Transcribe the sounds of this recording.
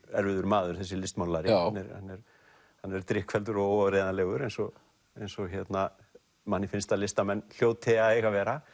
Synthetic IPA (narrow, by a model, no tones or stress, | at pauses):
ɛɾvɪðʏɾmaːðʏɾ̥θɛsːɪlɪst̪mawnaɾɪhanːɛɾha̰nːɛɾ | hanːɛɾt̪ɾɪhkʰfɛlt̪ʏɾɔɣowɔɾeːðanalɛːɣʏɾejnsɔɣ | ejnsɔɣçɛt̪na | manːɪfɪnst̪alɪst̪amɛnːl̥joːwt̪ʰɛaðejɣavɛːɾa